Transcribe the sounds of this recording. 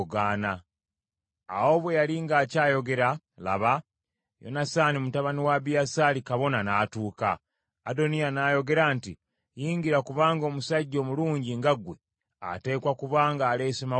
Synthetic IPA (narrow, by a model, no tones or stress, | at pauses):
ɡaːna | wo̞βwe̞jaliŋɡaːcaːjo̞ɡe̞ɾa | la̰βa | jo̞̰nasaːnimutaβaniwaβijasaːlikaβo̞nanaːtuːka̰ː | do̞nijanaːjo̞ɡe̞ɾanti | jiːŋɡiɾakuβaːŋɡo̞ːmusaɟːo̞ːmuluːɲɟiŋɡaɡwe̞ | a̰te̞ːkwakuβaːŋɡaːle̞ːsema